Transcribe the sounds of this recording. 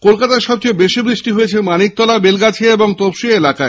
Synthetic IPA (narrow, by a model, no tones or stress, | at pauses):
kolkat̪aɾʃɔb̚t͡ɕejbeʃibɾiʃʈiɦojet͡ɕʰemanik̚t̪ɔlabelɡat͡ɕʰeeboŋt̪opʃielakae